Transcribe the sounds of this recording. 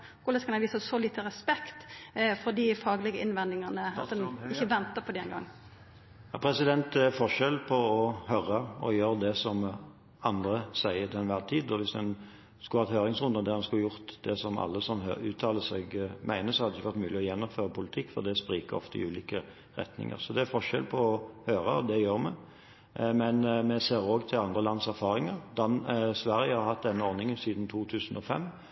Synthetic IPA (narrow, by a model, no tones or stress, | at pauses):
kʊlɛskɑnɑʋiːsəsɔliːt̪əɾɛspɛkt̪fɔɾd̪ɪfɑːɡlɪɡəʔɪnʋɛnd̪ɪŋɑnəɑt̪d̪ɛnɪçːəʋɛnt̪əpʰɔd̪ɛɛnɡɑ̰ŋː | jɑpʰɾɛsɪd̪ɛnt̪fɔʂɛlpʰɔɔhøɾəɔjøːʁd̪ɛsɔm | ɑnd̪ʁəsæɪəd̪ɛnʋæːʁt̪ʰiːd̪ɔʋɪsd̪ɛn | skʉlhɑt̪høːɾɪŋsʁʉnd̪ɑd̪æʁd̪ɑnskʉlːəjʊʁt̪d̪ɛsɔmɑ̰lːəsɔm̰ʉ̰ːt̪ʰːɑːləsɛɡmʔæɪnəsɔhɑd̪ːɪçəʋæʁɾt̪mʉːlɪɔjɛnːɔmføːɾəpʊlɪt̪ʰɪkːfɔ̰ʁd̪ɛspʁiːkəɾɔ̰ft̪əɪ̰ʉːliːkə | ʁɛ̰t̪nɪ̰ŋə̰ʁsɔd̪ɛæɾfɔʂɛ̰lpʰɔɔhøːɾəɔd̪ɛjøːɾmɛ | mɛnmɛseːɾoːɡt̪ʰɪlɑnd̪ʁəlɑnsæʁfɑːɾɪŋəɾd̪ɑnsʋæʁjəhɑɾhɑt̪̚d̪ɛnːəɔɾnɪŋənsiːd̪nt̪ʰuːt̪ʰʉːsnɔfɛ̰mː